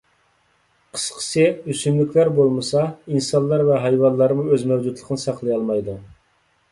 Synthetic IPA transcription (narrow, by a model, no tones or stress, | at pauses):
qʰə̥sqʰə̥sɪysynlykʲlæɾbolˠmɨsɑinsɑnlˠːɑɾvɛɦɑjwɑnlˠɑɾmuøzmɛwd͡ʒud̪lˠəqʰənɨsɑqlˠɨjɑlˠmɑjd̪u